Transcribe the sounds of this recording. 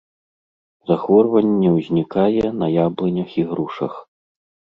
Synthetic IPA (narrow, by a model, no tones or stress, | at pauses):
zaxvɔrvɐnʲːɛwzʲnʲikajɛnɐjablˠɨnʲɐxiɣɾuʂɐ̰x